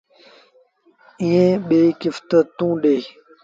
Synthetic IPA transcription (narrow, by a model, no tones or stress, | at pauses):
iːẽːɓeːkɪft̪ət̪ũːɗeː